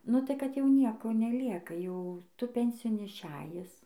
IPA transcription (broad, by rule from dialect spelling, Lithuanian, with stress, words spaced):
nʊ tɐɪ ˈkɐt jɛʊ ˈnʲiɛkoː nʲɛˈlʲiɛkɐ ˈjɛʊ ˈtʊ ˈpʲɛnʲsʲɪjoːn ɪʃʲˈæːjɪs